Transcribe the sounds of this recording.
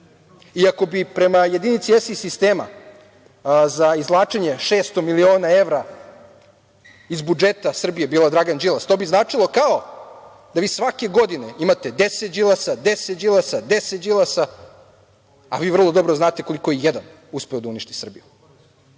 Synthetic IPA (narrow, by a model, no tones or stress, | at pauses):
iako̞bipɾe̞majed̪init̪siesisist̪eːma̰ | zaizlˠaːt͡ʂeɲe̞ʃeːst̪o̞milio̞ːnae̞ʋɾa | izbud͡ʒet̪asr̩bije̞biːlad̪ɾaɡand͡ʒilˠast̪o̞ːbiznaːt͡ʂilˠo̞kao̞ | d̪aʋiːsʋake̞ɡo̞d̪ine̞imat̪e̞d̪eset̪d͡ʒilˠasad̪eset̪d͡ʒilˠasad̪eset̪d͡ʒilˠasa | a̰ʋiːʋr̩lˠo̞d̪o̞bɾoznaːt̪e̞ko̞liko̞jejed̪an | uspeod̪auniʃt̪i̥sr̩biju